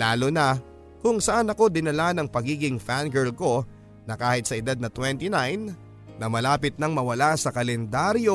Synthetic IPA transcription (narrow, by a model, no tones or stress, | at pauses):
laːlo̞nɐ | kʊŋsɐʔanɐko̞d̪ɪnɐlanɐŋpɐɡiːɡɪŋfanɡɛɹlko̞ | nɐkaːhɪt̪sɐʔɪd̪ad̪̚nɐt̪wɛnt̪inajnː | ɐmɐlaːpɪt̪̚nɐŋmɐwɐlasɐkɐlɛnd̪aɾjo